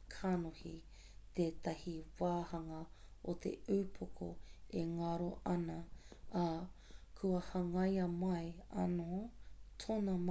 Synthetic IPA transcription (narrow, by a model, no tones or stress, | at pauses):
kʰanohi | t̪eːt̪ɐhiwaːhɐŋɐot̪ʰḛʉːpʰokʰo̰eŋɐɾoʔɐnɐ | kʰuɐhɐŋɐjɐmɐjɐ̰notʰonɐm